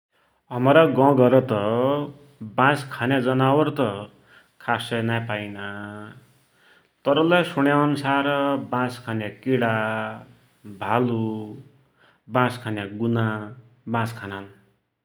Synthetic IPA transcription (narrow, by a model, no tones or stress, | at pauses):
ʌmɾaɡʌ̃ɡʌɾʌt̪ʌ | bãskʰanjad͡zʌnawʌrt̪ʌ | kʰasʌnapajna | t̪ʌɾʌlasuɽjaʌnusaɾbãskʰanjakiɽa | bʱalu | bãskʰanjaɡuna | bãskʰanan